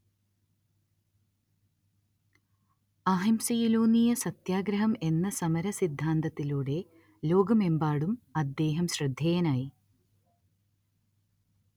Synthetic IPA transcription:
ɐɦɐmsijiloːnijɐsɐt̪jaːɡɾɐɦɐme̞nːɐsɐmɐɾɐsid̪ʱːaːnd̪ɐt̪ːiluːɽe̞ | lo̞ːɡɐme̞mbaːɽumɐd̪ːe̞ːɦɐmɕrɨd̪ʱjɐjɐnaːji

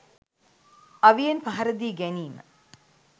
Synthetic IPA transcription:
ɐʋijenpaɦɐɾəd̪iːɡæniːmə̰

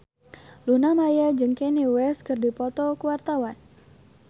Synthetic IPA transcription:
lunamajad͡ʒɨŋkɛniwɛskɨrdipɔt̪ɔkəwart̪awan

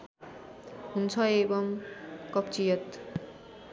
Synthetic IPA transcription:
ɦunt͡sʰʌebʌmkʌpt͡sijʌt̪

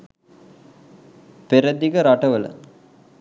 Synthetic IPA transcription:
peɾəd̪ikəɾaʈəʋələ̰

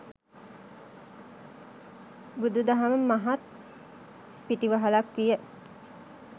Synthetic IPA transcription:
bud̪ud̪aɦaməmaɦat̪̚ | piʈiʋəɦalakʋijə

